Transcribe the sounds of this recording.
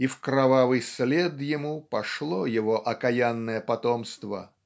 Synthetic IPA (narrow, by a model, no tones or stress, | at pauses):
ifkɾɐvavɨjslʲed̪jɪmupɐʂlˠojɪvoʔɐkɐjanːəjəpɐt̪omst̪və̰